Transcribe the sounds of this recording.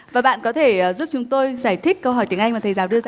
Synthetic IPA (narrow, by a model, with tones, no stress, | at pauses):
vaː˨˩ɓa̰ː˧˨nkɔ˨˦t̪ʰe˧˩əː˨˩zu˦˥p̚t͡ɕʊ˨˦ŋ͡mt̪o˧jzaː˧˩jt̪ʰï˦˥k̚kːə˧whɦɔ˧˩jt̪i˧˩ŋʔa˧jŋmaː˨˩t̪ʰə˨˩jzaː˨˩wɗɨ˧əzaː˧˩